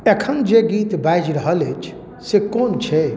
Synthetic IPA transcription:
ekʰənd͡ʒeɡiːt̪bajd͡ʒɾəɦəlet͡ʃʰ | sekoːnt͡ʃʰe

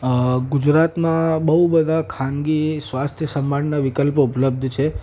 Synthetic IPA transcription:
ɡud͡ʒɾat̪mãbəɦubəd̪ʱakʰaŋɡisʋast̪ʰjəsəmbannaʋikəlpupləb̚d̪ʱt͡ʃʰe

